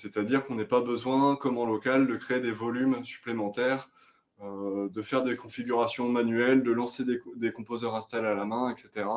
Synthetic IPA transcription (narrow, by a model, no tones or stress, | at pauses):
sɛt̪ad̪iʁkɔ̃nɛpabəzwɛ̃kɔmɑ̃lɔkald̪əkχeːd̪evɔlymsy̥plemɑ̃t̪ɛːʁ | ød̪əfɛʁd̪ekɔ̃fiɡʲyʁasjɔ̃manyɛld̪əlɑ̃sed̪ed̪ekɔ̃pozœʁɛ̃st̪alalamɛ̃ɛkset̪eʁa